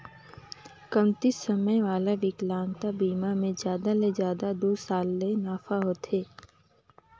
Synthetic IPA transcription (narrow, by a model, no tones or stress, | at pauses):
kəmt̪isəməjʋaːlaʋɪklãːŋt̪abiːmamẽzjaːd̪alezjaːd̪ad̪oːsaːlːenaːfaɦoːt̪ɦeː